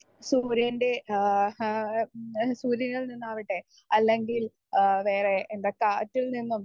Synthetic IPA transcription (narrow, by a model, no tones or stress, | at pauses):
suːɾjɐnde̞ | suːɾjɐnːɐɭninːaːʋiʈːe | ɐlːeŋɡil | ʋe̞ːre̞ːnd̪ɐkaːtːilninːum